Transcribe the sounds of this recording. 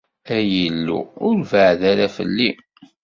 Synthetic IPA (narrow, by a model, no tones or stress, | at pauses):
æjəlːṵʊɾvəʕðaɾæfə̰lːi